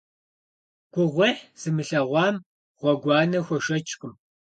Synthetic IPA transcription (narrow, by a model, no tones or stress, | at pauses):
ɡ̥ʷʊʁʷeħz̥ɨmɨɬɐʁʷɑːm | ʁ̥ʷɔɡʷɑːnɐxʷɔʃɐt͡ʃʼkʷʼʊm